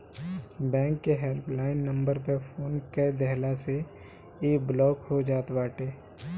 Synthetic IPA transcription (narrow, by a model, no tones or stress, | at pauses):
bɛ̃ːŋkːeɦelplaːɪnːə̃mbəɾpəpʰoːnked̪ɛɦlase | eːblɔːkhod͡ʒaːt̪baːʈeː